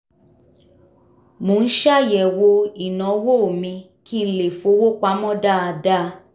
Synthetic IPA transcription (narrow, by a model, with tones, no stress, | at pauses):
mõ˨˦˧n̩˦ʃa˦jɛ˨wo˧i˨nɔ̃˨˦wo˦o˨mĩ˧ | ki˦˧˦le˨fo˨˧˦wo˦k͡pa˨˦mɔ̃˦da˦˨a˧da˦˧